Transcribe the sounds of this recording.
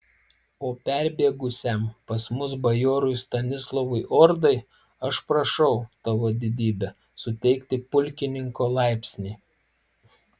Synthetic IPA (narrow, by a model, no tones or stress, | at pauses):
oːpʲɛˑɾʲbʲiɛɡʊsʲɛˑmpɐsmʊsbɐjoːɾʊɪst̪ɐnʲɪslˠɔʋʊɪʔɔːɾd̪ɐɪ | ɐʃpɾɐʃɐʊt̪ɑʋoːd̪ʲɪd̪ʲiːbʲɛ | sʊt̪ʲɛɪkt̪ʲɪpʊlʲkʲɪnʲɪŋkoːlˠɑˑɪpʲsʲnʲiː